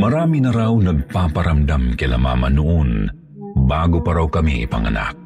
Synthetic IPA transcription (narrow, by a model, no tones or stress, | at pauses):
mɐɾaːminɐɾawnɐɡ̚papaɾamd̪amkɪla̰ma̰mɐnʊʔon | baːɡopɐɾawkɐmiʔɪ̰pa̰ŋa̰na̰k̚